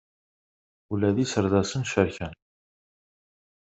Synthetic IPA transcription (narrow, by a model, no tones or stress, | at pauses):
ulæðisəɾðæsənʃəɾçən